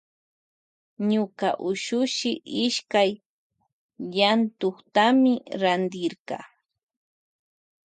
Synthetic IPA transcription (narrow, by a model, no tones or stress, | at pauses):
ɲʊkaʔʊʃʊʃɪʔɪʃkaj | ʎant̪oχt̪amɪɾand̪ɪɾɢɑ̰